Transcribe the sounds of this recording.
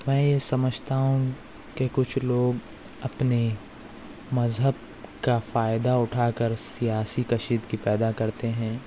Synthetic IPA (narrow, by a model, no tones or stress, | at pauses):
mɛ̃ːjesɐməd͡ʒʱt̪aɦũ | kekʊt͡ʃʰloːɡ | ɐpne | mɐzɦəb̚ | kafaːɪd̪aʊʈʰaːkəɾsijaːsikɐʃiːd̪kipɛːd̪akɐɾt̪eɦɛ̃ː